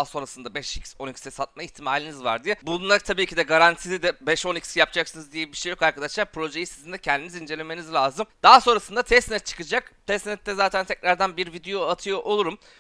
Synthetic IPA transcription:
so̞nɾasɯnd̪abɛʃicso̞nicsɛsat̪̚maiçt̪ʰimaːlʲinizva̰ɾd̪ijɛbunlˠat̪ʰabiːcʰid̪ɛɡaɾant̪ʰilʲid̪ɛbɛʃo̞nicsjap̚d͡ʒaksɯnɯzd̪ijɛbiʃejo̞kaɾkʰad̪aʃlˠaɾpɾo̞ʒe̞jisizind̪ɛcʰɛnd̪inizind͡ʒe̞lʲe̞me̞nizlʲaːzɯmd̪̥aːso̞nɾasɯnd̪at̪ʰɛst̪nɛt̪̚t͡ʃʰɯ̥kɯd͡ʒakt̪ʰɛsnɛt̪ːɛzaːt̪ʰænt̪ʰɛcɾaɾd̪ænbiɾvid̪ejoat̪ʰɯjo̞ʔo̞lˠuɾum

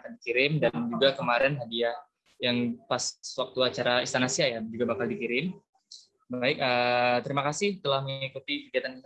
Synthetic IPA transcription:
akandikiɾɪmdand͡ʒuɡakəmaɾɛnɦadia | jaŋpaswak̚t̪uat͡ʃaɾaist̪anasiajad͡ʒuɡabakaldikiɾɪm | baɪk̚ət̪əɾimakasɪht̪əlahməŋikut̪ibiɡat̪ani

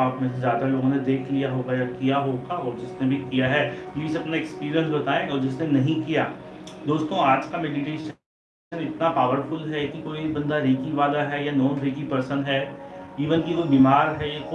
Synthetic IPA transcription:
aːpmẽsezjaːd̪aloːɡõned̪eːkʰlijaɦoːɡajakijaɦoːɡaɔːɾd͡ʒɪsnebʱikijaɦɛːjiːiseɐpnaekspiːɾijə̃nsbɐt̪aːẽɔːɾd͡ʒɪsnenɐɦĩkijaːd̪oːst̪õaːd͡ʒkameːɖɪʈeːʃə | ənɪt̪napaːʋəɾfʊlɦɛkikoːibɐ̃nd̪aɾiːkiʋaːlaɦɛjanɔːnɾiːk̬ipɐɾsə̃nd̪ɦɛiːʋənkid͡ʒobiːmaːɾɦɛjeko

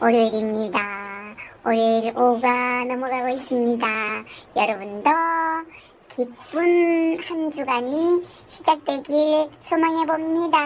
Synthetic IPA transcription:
oɾjeɾimɲida | oɾeɾoɡanʌmʌɡaɡois͈ɯmɲidajʌɾʌbundʌ | kʰip͈unhand͡ʑuɡaɲi | ɕʰid͡ʑak̚t͈we̞ɡiɾsʰomaŋɦe̞bomɲida

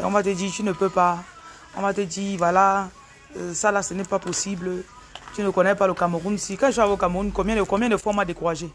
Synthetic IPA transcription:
ɔ̰̃mateditinəpøpa | ɔ̰̃matedivwala | salasɛnɛpaposiblə | tinəkɔ̃nɛpalokamoʁunsikãeʃ̬ɔavokamounkɔ̃bjɛ̃ekɔ̃bjɛ̃defɔ̃madekuʁaʒe

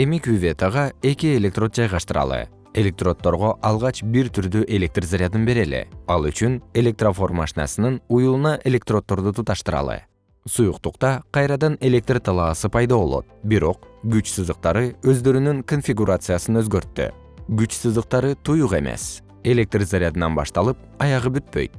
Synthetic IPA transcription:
e̞mikuvʲe̞t̪aʁɑe̞kie̞lʲe̞kt̪ro̞t̪̚d͡ʒɑjʁɑʃt̪ɯɾɑ̰lˠɯ̰ | e̞lʲe̞k̚t̪ro̞t̪ːo̞ɾʁo̞ʔɑlˠʁɑt͡ʃbiɾt̪ʰyɾd̪yʔe̞lʲe̞k̚t̪rzaɾʲɪjad̪ɯnbe̞ɾe̞lḛɑlˠyt͡ʃyne̞lʲe̞k̚t̪rofo̞rma̰ʃinɑ̰sɯnɯnujulˠunɑʔe̞lʲe̞k̚t̪ro̞t̪ːo̞ɾd̪ut̪ut̪ɑʃt̪ɯɾɑ̰lˠɯ̰ | sujuqt̪uqt̪ɑqʰɑjɾɑd̪ɑne̞lʲe̞k̚t̪rt̪ʰɑlˠɑːsɯpʰɑjd̪ɑβo̞lˠo̞̰t̪̚biɾo̞q̚ɡyt͡ʃsɯzd̪ɯq̚t̪ɑɾɯø̞zd̪ø̞ɾynyŋko̞nfʲiɡuɾat̪sɨjasɯnø̞zɡø̞ɾt̪ːy̰ | ɡyt͡ʃsɯzd̪ɯq̚t̪ɑɾɯt̪ʰujuqe̞̰me̞̰s | e̞lʲe̞k̚t̪rzaɾʲjad̪ɯnɑnbɑ̰ʃt̪ɑlˠɯp̚ɑjɑʁɯbyt̪̚pø̞̰jt̪̚

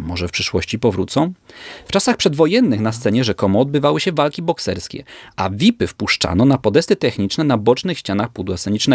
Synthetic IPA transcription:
mɔʐɛfpʂɘʂwɔɕt͡ɕipɔvɾut̪sɔ̃w̃ft͡ʂasaxpʂɛd̪vɔjɛnːɘxnast̪sɛɲɛʐɛkɔmɔːd̪bɘvawɘɕɛvalkʲibɔksɛɾskʲɛ̰ʔa̰vʲipɘfpuʂt͡ʂa̰nɔnapɔd̪ɛst̪ɘt̪ɛxɲit͡ʂnɛnabɔt͡ʂnɘxɕt͡ɕanaxpud̪wasɛɲit͡ʂnɛ

